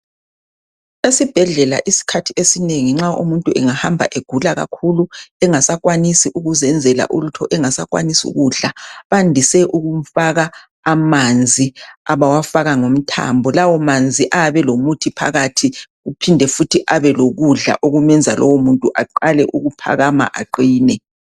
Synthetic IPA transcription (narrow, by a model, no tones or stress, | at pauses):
esib̥ʱɛɮɛla̰ʔisi̥kʰatʰiesineŋiŋ͡ǁaʔṵmuntʼuɛŋahambʱa̰ʔeɡ̥ʱulaɣa̰kʰuluɛŋasakwanisiʔuɣuzɛnd͡zʱɛla̰ʔulutʰɔʔɛŋasakwa̰nisṵɣuːɮaβandʱisɛʔuɣum̩faɣaː | mand͡zʱiaβawafaɣaŋom̩tʰa̰mbʱɔlawɔmand͡zʱiʔaβɛlomutʰipʰa̰ɣatʰi | ɣupʰindʱɛfutʰiʔaβɛloɣuɮa̰ʔoɣumɛnd͡zʱalʔɔ̰womuntʼuʔaǃalɛʔuɣupʰa̰ɣama̰ʔaǃiːnɛ